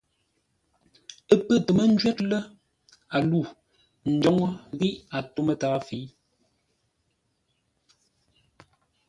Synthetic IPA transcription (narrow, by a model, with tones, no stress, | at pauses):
ə˦pə˦˨tə˨mə˦n̩˦d͡ʒɥɛ˦tlə˦ | a˨lu˦˨ | n̩˨d͡ʒɔ˦ŋɔ˦ɣi˦ʔa˨to˦mə˦taː˨˦fi˨˦